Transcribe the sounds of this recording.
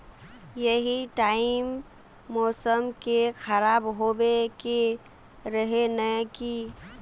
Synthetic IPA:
jəɦiʈaɪmː | ɔːsəmkexʰəɾabɦobeke | ɾəɦenəki

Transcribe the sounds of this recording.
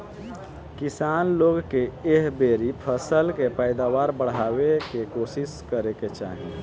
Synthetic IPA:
kɪsaːnloːɡkeeɦbeːɾipʰəsəlkepəɪd̪awaːɾbəɽ̤ɦaːwekekoːsɪskəɾeket͡ʃa̰ːɦi

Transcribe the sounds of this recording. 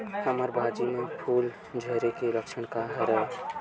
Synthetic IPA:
həməɾbʱaːd͡ʒimẽpʰuːl | d͡ʒʱəɦɾekeləkʃəɽ̃kaɦəɾə

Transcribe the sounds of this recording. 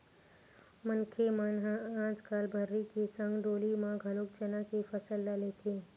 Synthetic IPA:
mənkʰemanɦãːt͡ʃkaːlbʱəɾːikisə̃ŋɡɖoːlimãɡʱɐlʊk̚t͡ʃənãkifəsəlːalet̪ʰeː

